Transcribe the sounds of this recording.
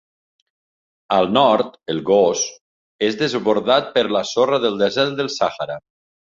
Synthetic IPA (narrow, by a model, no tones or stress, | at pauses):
əlˠnɔɾt̪elˠɣos | ezðezβoɾðat̪̚pəɾlasorəðəlˠd̪ezɛɾt̪̚d̪əlˠsaxaɾa